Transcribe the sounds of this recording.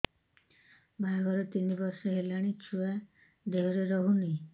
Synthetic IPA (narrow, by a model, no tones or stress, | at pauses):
bajɡɔɾet̪inibɔɾsɔɦelaɽ̃it͡ʃʰua | d̪eɦɔɾeɾɔɦuni